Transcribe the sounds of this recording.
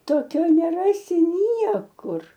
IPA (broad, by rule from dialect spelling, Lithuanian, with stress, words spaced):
toːˈkʲoː nʲɛˈrɑːsʲɪ ˈnʲiɛkʊr